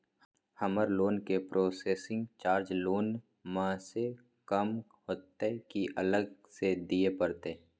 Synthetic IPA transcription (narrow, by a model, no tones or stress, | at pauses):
həməɾloːnkepɾʔoːseːsɪ̃ŋɡt͡ʃaːɾd͡ʒloːn | mãse | kəmɦoːt̪ːekiʔələɡsed̪iepəɾt̪e